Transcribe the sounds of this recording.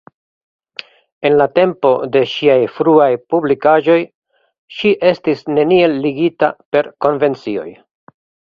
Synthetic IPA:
e̞nlate̞mpo̞de̞ʃiajfɾuajpublikaʒo̞j | ʃiʔe̞stisne̞nie̞ːiɡitape̞ɾko̞nve̞nt͡sio̞̰j

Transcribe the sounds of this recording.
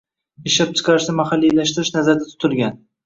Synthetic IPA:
ɪʃap̚t͡ʃʰɪ̥qʰɑɾɪʃnɪmahalːijlaʃt̪ɪɾɪʃnazaɾd̪at̪ʰʊ̥t̪ʰɪlˠɡʲan

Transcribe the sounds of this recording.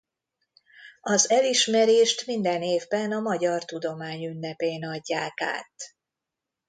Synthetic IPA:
ɒzɛliʃmɛɾeːʃt̪mind̪ɛneːvbɛnɒmɒɟɒrt̪ud̪o̞maːɲynːɛpeːnɒɟːaːka̰ːt̪

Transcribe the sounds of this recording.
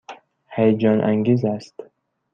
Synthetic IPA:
hajd͡ʒɒnʔa̰ŋɡizast̪

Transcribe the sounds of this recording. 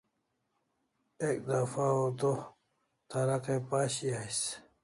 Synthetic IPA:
ek̚d̪afaot̪o | t̪aɾaqepaːɕiajs

